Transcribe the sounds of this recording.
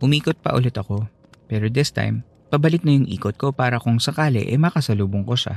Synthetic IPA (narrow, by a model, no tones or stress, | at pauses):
ʔʊmiːkot̪̚pɐ̰ʔʊlɛt̪ɐko̞ | pɛːɾod̪ɪst̪a̰jm | pɐbɐlɪt̪̚nɐjʊŋʔḭːkot̪̚ko̞paːɾɐkʊŋsɐkaːlɛ̰ʔɛ̰mɐkɐsɐluːboŋko̞ʃa̰